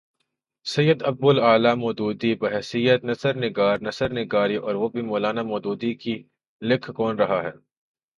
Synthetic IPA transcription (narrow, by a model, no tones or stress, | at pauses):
sɐjːəd̪ɐb̚bʊlaːlamɔːd̪uːd̪ibɐɦɛsijət̪nɐsəɾnɪɡaːɾnɐsəɾnɪɡaːɾiʔɔːɾʋobʱimoːlaːnamɔːd̪uːd̪iki | lɪkʰkɔːnɾɐɦaɦɛː